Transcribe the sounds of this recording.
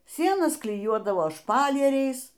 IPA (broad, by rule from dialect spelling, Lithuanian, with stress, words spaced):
ˈsʲiɛnɐs klʲɪˈjuɔdɐʋoː ˈʃpɑːlʲiɛrʲɛɪs